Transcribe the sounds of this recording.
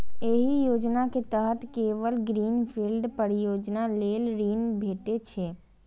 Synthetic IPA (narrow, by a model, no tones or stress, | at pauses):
eɦijoːd͡ʒnaket̪əɦət̪keːʋəlɡɾiːnpʰilɖpəɾijoːd͡ʒnaleːlɾiːnbʱeːʈet͡ʃʰeː